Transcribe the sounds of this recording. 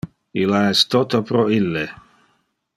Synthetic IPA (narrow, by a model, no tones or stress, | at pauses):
ilaɛst̪ot̪opɾoilːe